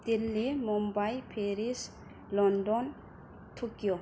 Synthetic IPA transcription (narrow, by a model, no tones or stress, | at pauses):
d̪ilːimumbajpʰeɾis | lɔndɔn | t̪ʰukijɔ